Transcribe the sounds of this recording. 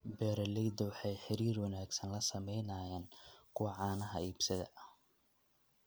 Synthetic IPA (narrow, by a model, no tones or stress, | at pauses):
bɛːɾɐlɛjd̪ɐwɑħɑjħɪɾiːrwɑnaːɡsɐnlɐsɐmɛjnɐːjaːnkʰʊwɑʕɑːnɐɦɐiːbsɐðɐ̰ʔɐ